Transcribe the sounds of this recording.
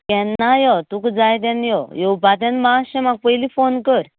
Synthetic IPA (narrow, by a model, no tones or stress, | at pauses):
kɛnajɔt̪ukd͡zajt̪̬ãnjɔjɔupat̪jãnmaɕɛ̃maɡ̚pəjliːfonkəɾ